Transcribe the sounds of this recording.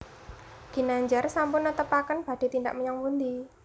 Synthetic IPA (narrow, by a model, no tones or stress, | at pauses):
ɡ̥i̤naɲd͡ʒarsampʊnːət̪əpakənb̥a̤ɖ̥e̤t̪ind̪a̰ʔ̚məɲaŋpund̪i